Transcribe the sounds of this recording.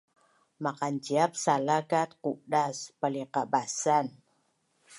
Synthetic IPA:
maqand͡ʒiap̚salakat̪̚kudaspaliqabasan

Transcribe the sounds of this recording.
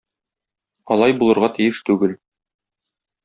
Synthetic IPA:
ɒlˠɑjbulˠɤ̆ɾʁɑt̪ĭjɘʃt̪ʉɡɘl

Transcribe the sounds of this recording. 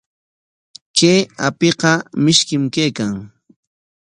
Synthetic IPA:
keːapeqɑmɪʃkɪmkeːkaŋ

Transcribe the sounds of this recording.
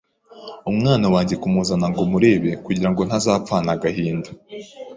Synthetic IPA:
umŋaːnawaːɲɟe̞kumuzanaŋɡomuɾe̞ːβe̞kuɟiɾaŋɡo̞n̥hazaːpp͡faːnaɡahiːndu

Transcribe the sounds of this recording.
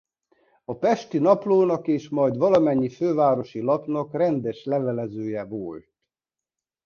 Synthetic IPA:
ɒpɛʃt̪inɒploːnɒkeːʃmɒjd̪ʋɒlɒmɛɲːiføːvaːɾo̞ʃilɒpnɒkrɛnd̪ɛʃlɛvɛlɛzøːjɛvolt̪

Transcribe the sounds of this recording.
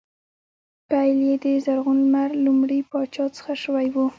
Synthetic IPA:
pajljed̪əzaɾɣulmaɾlumɽipɑt͡ʃɑt͡sə̥xaʃəwajwu

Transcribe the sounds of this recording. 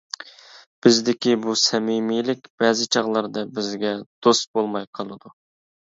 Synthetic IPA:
b̥ɪzd̪ɪkʲibusɛmimijlɪkʲb̥ɛzɪt͡ʃʰɑʁlˠɑɾd̪ɑbɪzɡʲɛd̪̥ost̪̚bolˠmɑjqʰɑlˠɨd̪u

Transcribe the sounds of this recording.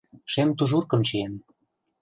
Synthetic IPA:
ʃemt̪uʒurkɤ̆mt͡ɕien

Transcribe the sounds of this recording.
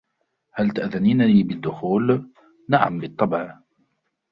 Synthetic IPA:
halt̪aʔðaniːnaliːbɪd̪ːʊxuːl | naʕa̰mbɨt̪ˤːɑbʕ

